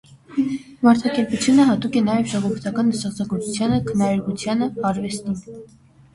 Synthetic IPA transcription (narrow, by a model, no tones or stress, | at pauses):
mɑɾt̪ʰɑkɛɾput͡sʰjunəɦɑt̪ukɛnɑjɛvʒɑʁɔvəɾt̪ʰɑkɑnːəst̪ɑχt͡sʰɑkɔɾt͡sʰut͡sʰjɑnəkʰənɑɾɛɾkut͡sʰjɑnəɑɾvɛst̪in